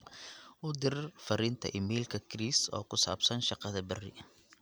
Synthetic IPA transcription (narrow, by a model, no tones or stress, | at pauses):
ʔʊd̪ɪrfɐɾɪnt̪ʰɐ̰ʔɪmiːlkʰɐkʰɾiːsɔ̰ːkʰʊsa̰ːbsɐnʃɑqɐðɐbɐrɪ̰